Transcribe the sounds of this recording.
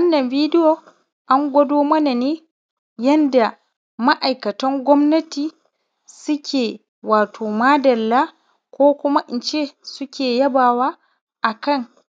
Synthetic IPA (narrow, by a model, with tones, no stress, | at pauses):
ʔɐ˦nːɐ˨nvi˦dɪ˦jo˨ | ʔa˦ŋɡʷɐ˦doː˦mɐ˦na˨neː˦ | jɐ˦nda˨ | ma˦ʔa˨jkɐ˨tɔ˦ŋɡʷɔ˦mnɐ˦tiː˨ | sʊ˦kʲeː˨ | waː˨tʰoː˨maː˦dɐ˨lːa˦ | koː˦kʷʊ˦ma˦ʔɪ˨nt͡ʃe˦sʊ˦kʲeː˨jɐ˦baː˨waː˦ | ʔa˨kɐ˦ŋ